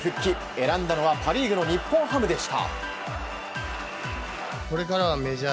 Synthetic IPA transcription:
ɸɯ̟kʲːi | e̞ɾãnd̪ano̞βapaɾʲiːɡɯ̟no̞ɲ̟ipːõɰ̃hamɯ̟d̪e̞ɕi̥t̪a̰ | ko̞ɾe̞kaɾaβame̞ʑa

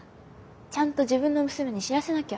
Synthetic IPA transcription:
t͡ɕãnt̪o̞ʑibɯ̟̃nːo̞mɯ̟sɨme̞ɲ̟iɕiɾase̞nakʲe

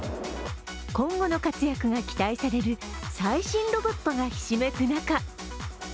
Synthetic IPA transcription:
kõ̞ŋɡo̞no̞kat͡sɨjakɯ̟ɡakʲi̥t̪aisaɾe̞ɾɯ̟saiɕĩnɾo̞bo̞t̪ːo̞ɡaçi̥ɕime̞kɯ̟naka

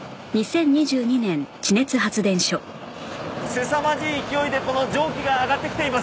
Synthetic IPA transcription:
ɲ̟isẽ̞ɲ̟ːiʑɨːɲ̟inẽ̞nt͡ɕine̞t͡sɨɦat͡sɨd̪ẽ̞ɰ̃ɕo | se̞samad͡ʑiikʲio̞id̪e̞ko̞no̞d͡ʑo̞ːkʲiɡaːɡat̪ːekʲi̥t̪e̞imas

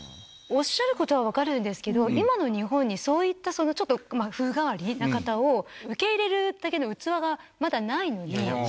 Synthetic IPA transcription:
o̞ɕːaɾɯ̟ko̞t̪oβ̞aβ̞akaɾɯ̟̃nd̪e̞sɨ̥ke̞d̪o̞imano̞ɲ̟iɦõ̞ɲ̟ːiso̞ːit̪ːaso̞no̞t͡ɕo̞t̪ːomaɸɯ̟ːɡaβaɾʲinakat̪aoɯ̟ke̞iɾe̞ɾɯ̟d̪̥ake̞d̪o̞ɯ̟t͡sɨβaɡamad̪anaino̞ɲ̟i

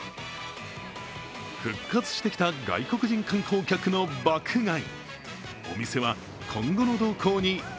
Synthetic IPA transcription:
ɸɯ̟kːat͡sɨ̥ɕi̥t̪e̞kʲi̥t̪aɡa̰iko̞kɯ̟ʑĩŋkãŋkʰo̞ːkʲakɯ̟no̞bakʰɯ̟ɡai | o̞̰mʲise̞βa | kʰõ̞ŋɡo̞no̞d̪o̞ːkʰo̞ːɲ̟i

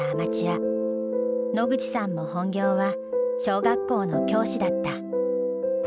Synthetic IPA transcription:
aːmat͡ɕia | no̞ɡɯ̟d͡ʑi̥sãmːo̞hõ̞ŋɡʲo̞ːβa | ɕo̞ːɡakːo̞ːno̞kʲo̞ːɕid̪at̪ːa

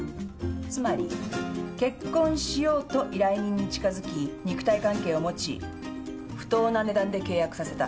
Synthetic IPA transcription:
t͡sɨmaɾʲike̞kːõ̞ɰ̃ɕijo̞ːt̪oʔiɾaiɲ̟ĩɲ̟ːit͡ɕi̥kazɨkʲiɲ̟ikɯ̟̥t̪aikãŋke̞ːo̞mo̞t͡ɕḭ | ɸɯ̟̥t̪o̞ːnane̞d̪ãnd̪e̞ke̞ːjakɯ̟sase̞t̪a

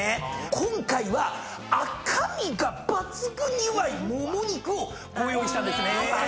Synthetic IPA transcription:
kʰõŋkaiβa | akʰamʲiɡabat͡sɨɡɯ̟ɲiβaimomoɲ̟ikɯo | ɡoːjoːɲit̪ãnd̪ese

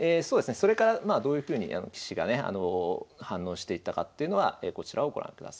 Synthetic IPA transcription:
eːsoːd̪e̞sɨne̞so̞ɾe̞kaɾamaːd̪o̞ːjɯ̟ɸɯ̟ːɲ̟ḭʔa̰no̞̰kʲi̥ɕiɡa̰ne̞a̰no̞hãnːo̞ːɕi̥t̪e̞it̪ːakat̪ːe̞iɯ̟no̞βa̰eːko̞t͡ɕiɾʔao̞ɡo̞ɾã̰ŋkɯ̟d̪a̰sḁi

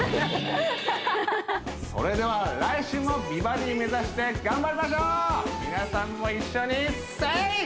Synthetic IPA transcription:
ko̞̰ɾe̞d̪e̞βaɾaiɕɨːmo̞bʲibaɾʲime̞zaɕi̥t̪e̞ɡãmbaɾʲimaɕ̬oːmʲinasãmːo̞iɕːo̞ɲ̟i | t̪ːai

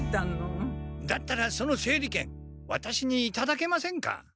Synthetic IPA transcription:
t̪anod̪at̪ːaɾaso̞no̞se̞ːɾʲikẽ̞̰ŋ | βa̰t̪aɕiɲ̟iːt̪ad̪ake̞masẽ̞ŋka̰

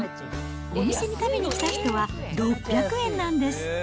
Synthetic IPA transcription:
o̞mʲise̞ɲ̟it̪ame̞ɲ̟ikʲi̥t̪açi̥t̪o̞βaɾo̞pːʲjakɯ̟ẽ̞nːãnd̪e̞sɨ̥

